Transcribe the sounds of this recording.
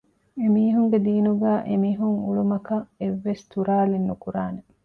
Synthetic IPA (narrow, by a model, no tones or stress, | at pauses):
emiːɦuŋɡed̪iːnuɡæːʔemiːɦuŋuɭumɐkɐeʋːest̪uɾaːlinːukuɾaːne